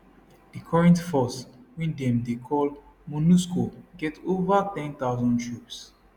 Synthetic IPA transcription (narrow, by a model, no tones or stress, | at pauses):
dikʰɔɹɛ̃ntfɔswĩndɛ̃mdekʰɔl | munuskoɡɛtovat̪ɛ̃nt̪aʊzɔ̃ntʰɹups